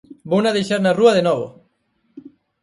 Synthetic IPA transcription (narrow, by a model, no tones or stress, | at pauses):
bownaðejʃaɾnaruaðenoβo̰